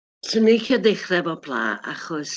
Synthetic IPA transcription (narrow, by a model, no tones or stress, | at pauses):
sʰənikʰiadeχrɛvɔblˠa̰ːa̰χɔs